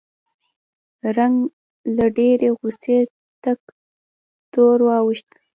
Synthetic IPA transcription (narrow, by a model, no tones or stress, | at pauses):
ɾaŋɡ | laɖeɾeɣʊse | t̪ak | t̪oɾwɑwiʃt̪